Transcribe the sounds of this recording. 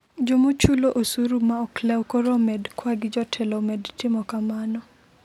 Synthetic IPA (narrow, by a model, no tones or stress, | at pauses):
d͡ʒomot͡ʃuloʔosuɾumaɔklɛwkɔɾɔmɛdkwaɡɪd͡ʒɔtʰɛlɔmɛdtɪmɔkamanɔ